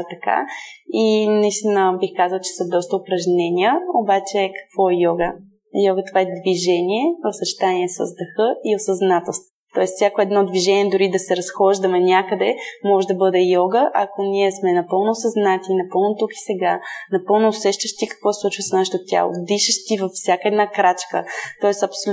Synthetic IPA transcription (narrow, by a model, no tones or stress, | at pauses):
t̪ɐka̰inɐist̪inəbixkazəlˠt͡ʃɛ̥sɐd̪ɔst̪əopɾɐʒnɛnʲijəobat͡ʃɛkɐ̥kv̥ɔɛjɔɡə | jɔɡət̪ovaɛd̪viʒɛnʲiɛosət͡ʃɛ̥t̪aniɛsə̰zd̪ɐxɤiosɐznat̪ɛlˠst̪vot̪ɔɛsfsʲjakoɛd̪nɔd̪viʒɛniɛd̪ʊɾid̪ɐsɛɾɐsxɔʒd̪əmɛnʲakəd̪ɛmɔʒɛd̪ɐbɤd̪ɛjɔɡəʔɐkoniɛsmɛnɐpɤlˠnʊsɐznat̪inɐpɤlˠnot̪uki̥sɛɡanɐpɤlˠnoːsɛʃt̪əʃt̪ikɐ̥kvɔslˠut͡ʃvəsnaʃɛ̥t̪ʊt̪ʲa̰lˠo̰d̪iʃəʃt̪ivəfsʲjakəɛd̪nakɾat͡ʃkə̰t̪ɔɛsɐpso